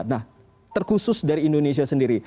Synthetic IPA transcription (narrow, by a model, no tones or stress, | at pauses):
nah | t̪ərkusʊsdaɾiːndonesiasəndiɾi